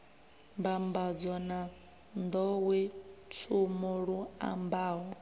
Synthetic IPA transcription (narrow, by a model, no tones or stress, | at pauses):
mbambad͡zɔna | nd̪ɔwɛt͡sʰumuɺua̰mbaːɦɔ